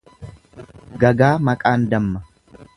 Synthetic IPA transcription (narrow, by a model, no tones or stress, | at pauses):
ɡɐɡaːmɐkʼaːnd̪ɐmːɐ